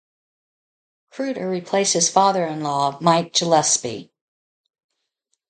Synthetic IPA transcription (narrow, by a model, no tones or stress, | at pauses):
kʰɹ̥ʉɾɨɹipʰl̥eɪshɨz̥fɑðə˞ɨ̃nlɔmaɪt̚d̥ʒ̥əlɛspḭ